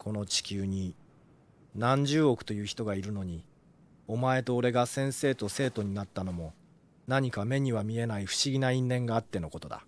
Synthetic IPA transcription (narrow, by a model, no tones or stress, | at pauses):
kʰo̞no̞t͡ɕi̥kʲɨːɲ̟i | nãɲ̟d͡ʑɨːo̞kɯ̟̥t̪o̞jɯ̟ːçi̥t̪o̞ɡaiɾɯ̟no̞ɲ̟i | o̞mae̞t̪o̞ːɾe̞ɡasẽ̞ɰ̃se̞ːt̪o̞se̞ːt̪o̞ɲ̟inat̪ːano̞mo̞ | naɲ̟ikame̞ɲ̟iβamʲie̞naiɸɯ̟̥ɕiɡʲinaĩnːẽ̞ŋɡaːt̪ːe̞no̞ko̞t̪o̞d̪a̰